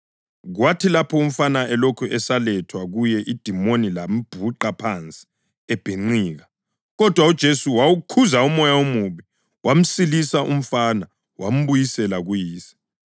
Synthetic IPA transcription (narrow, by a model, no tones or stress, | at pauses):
ɣwatʰilapʰɔum̩fanaɛlokʰuʔɛsalɛtʰwaɣujɛʔid̥ʱimonilam̩b̥ʱuǃapʰant͡sʼi̥ | ɛb̥ʱeŋ͡ǃiːɣa | ɣɔd̥ʱwaud̥ʒ̥ʱesuwawukʰuzaumɔjaomuβi | wam̩silisaʔum̩fana | wam̩βujisɛlaɣujiːsi̥